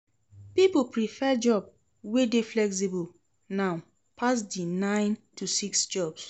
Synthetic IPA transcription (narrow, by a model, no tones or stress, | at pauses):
pipopɹifɛd͡ʒɔb | wedeflɛks̬ibul | naʊ | pʰas̬dinãɪ̃ntusiksd͡ʒɔbs